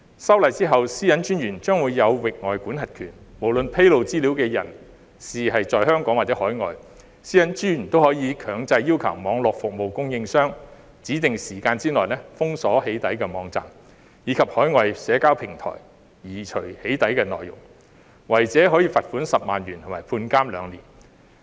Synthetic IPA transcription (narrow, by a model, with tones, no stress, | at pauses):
sɐ˥wlɐ˨jt͡siː˥ɦɐ˨wsiː˥jɐ˨˥nt͡ʃyː˥njyː˨˩nt͡ʃœː˥ŋwuː˨˧jːɐ˨˧wwɪ˨k̚ŋɔː˨jkuː˨˥nɦɐ˨t̚kʰyː˨˩nmo˨˩wlɵ˨npʰe˥jlo˨wt͡siː˥liː˨˥wkɛː˧jɐ̰˨˩n | siː˨hɐ˨jt͡sɔː˨jhœː˥ŋkɔː˨˥ŋwaː˨˩t͡sɛ˨˥hɔː˨˥jŋɔ̰ː˨j | siː˥jɐ˨˥nt͡ʃyː˥jy˨˩nt̪o˥whɔː˨˥jiː˨˧kʰœː˨˥ŋt͡sɐ˧jːiː˥wkʰɐ˨˩wmɔː˨˧ŋlɔː˨k̚fʊ˨k̚mo˨wkʊ˥ŋjɪ˧ŋsœː˥ŋ | t͡siː˨˥t̪ɪ˨ŋsiː˨˩kaː˧nt͡siː˥nɔː˨˩jnɛː˥fʊ˥ŋsɔː˨˥he˨˥jt̪ɐ˨˥jkɛː˧mɔː˨˧ŋt͡sa̰ː˨˩m | jiː˨˥kʰɐ˨p̚hɔː˨˥jŋɔː˨jsɛː˨˥kaː˥wpʰɪ˨˩ŋt̪ʰɔ̰ː˨˩j | jiː˨˩t͡ʃʰɵ˨˩ɥhe˨˥jt̪ɐ˨˥jkɛː˧nɔ̰ː˨jʊ̰˨˩ŋ | wɐ˨˩jt͡sɛː˨˥ɦɔː˨˥jiː˧fɐ˨t̚fuː˨˥nsɐ˨p̚maː˨nɥyː˨˩nt̪ʰʊ˨˩maː˨˩jpʰuː˧nkaː˥mlœ̰ː˨˧ŋlḭː˨˩n